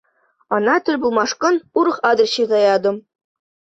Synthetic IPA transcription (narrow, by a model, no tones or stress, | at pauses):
ɑnɑt̪ʲɘ̆lʲbulˠmɑʂkɤ̆nuɾɤ̆χɑd̪ɤ̆rɕizɑjɑd̪ɤ̆m